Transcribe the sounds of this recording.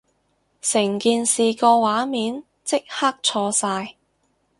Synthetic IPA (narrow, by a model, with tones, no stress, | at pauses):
sɪ˨˩ŋkiː˨nsiː˨kɔː˧waː˨˥miː˨˥n | t͡sɪ˥k̚haː˥k̚t͡sʰɔː˧saː˧j